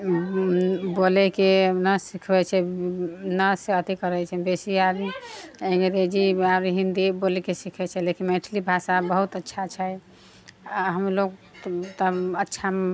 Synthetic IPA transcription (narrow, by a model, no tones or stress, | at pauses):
bolɛkenəsikʰbɛt͡ʃʰɛ | nəseət̪ikəɾɛt͡ʃʰɛbesiabiẽŋɡɾed͡ʒiaɾɦind̪ibolɛkesikʰɛt͡ʃʰɛlekinmẽʈʰlibʱasabəɦut̪ətːʃʰat͡ʃʰɛ | ɦəmloɡ | t̪əətːʃʰa